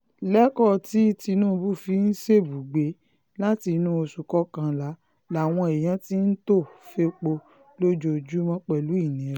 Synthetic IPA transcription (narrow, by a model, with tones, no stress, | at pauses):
lɛ˦kɔ˦˨ti˦ti˧nũ˦˧bu˦˨fi˨˧˦n̩˦ʃe˦˨bu˨ɡ͡be˨˦ | la˦ti˧nũ˦o˧su˨kɔ˦kã˧la˨˦ | la˨w̃ɔ̃˧e˨j̃ã˨˦ti˦n̩˦to˦˨fe˧k͡po˧ | lo˦d͡ʒo˧d͡ʒu˦mã˦k͡pɛ˨lu˨˦i˦˨nĩ˨˦